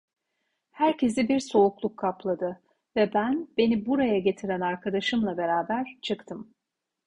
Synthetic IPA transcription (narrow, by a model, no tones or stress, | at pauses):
hæɾcʰe̞sibiɾso̞uklˠukʰːaplˠad̪ɯ | vɛbænbe̞nibuɾajaɟe̞t̪ʰiɾænaɾkʰad̪aʃɯmlˠabe̞ɾaːbæɾt͡ʃʰɯkt̪ʰɯm